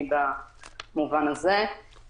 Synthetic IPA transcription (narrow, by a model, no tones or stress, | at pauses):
damuvanəzɛ